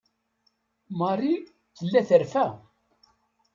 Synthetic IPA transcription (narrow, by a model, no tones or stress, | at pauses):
mɑrˤi | θəlːæθəɾfæ